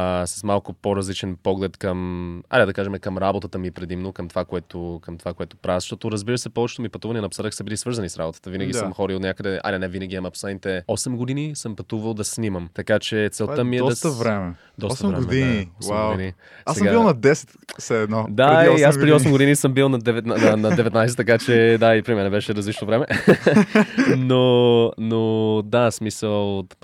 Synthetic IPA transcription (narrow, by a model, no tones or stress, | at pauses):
sɐ̥smalˠkʊpoɾɐzlit͡ʃɛnpɔɡlɛt̪kəma̰d̪ɛd̪ɐkaʒɛmɛkəmɾabot̪ət̪əmipɾɛd̪imnokəmt̪ovakoɛt̪okəmt̪ovakoɛt̪o̥pɾavzɐʃt̪ɔt̪ʊɾəzbiɾəsɛpɔvɛt͡ʃɛ̥t̪omipɐt̪uvɐniɛnɐpsəɾəksəbilisvɤɾzɐnisɾa̰bot̪ə̥t̪əvinəɡʲisəmxɔɾiot̪nʲakəd̪ɛa̰d̪ɛnɛvinəɡʲiɛmɐpsɛnit̪ɛɔsɛmɡod̪inisəmpɐt̪uvəlˠd̪ɐsnʲiməmt̪ɐkat͡ʃɛt̪sɛlˠt̪əmiɛst̪vɾɛmɛ | d̪ɔsvmɛiniɔaɡwini | sasɛɡabilˠnɐd̪ɛsɛ̥t̪sɛːd̪nɔd̪aɾiiasɾɛd̪iɔsɛmɡod̪inisəmbilˠnɐd̪ɛvɛt̪nɐnɐd̪ɛvɛt̪najsɛt̪ːɐkat͡ʃɛd̪aipɾimɛnɛbɛʃɛɾɐzlit͡ʃnovɾɛmɛ | nonod̪asmisəlˠ